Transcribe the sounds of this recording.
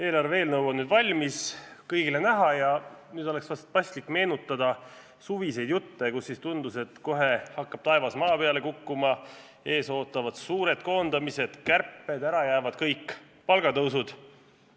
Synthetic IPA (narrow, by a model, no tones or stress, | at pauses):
e̞ːlɑre̞ːlnɤwonnyːd̪̥vɑlʲmiskɤjɡile̞næɦɑjɑnyːd̪̥o̞le̞ksvɑst̪̚pɑsʲt̪likːme̞ːnut̪ːˑɑd̪̥ɑ | suvise̞jd̪jut̪ːe̞kusːist̪und̪use̞t̪ːko̞ɦe̞hɑkːɑb̥t̪ɑe̞vɑsmɑːpeɑle̞kukːumɑ | e̞ːso̞ːt̪ːˑɑvɑd̪̥suːɾe̞d̪̥̚ko̞ːnd̪ɑmise̞d̪̥kærpːed̪æɾɑjæːvɑd̪̥kɤjkːˑ | pɑlɡ̥ɑt̪ɤwsud̪̥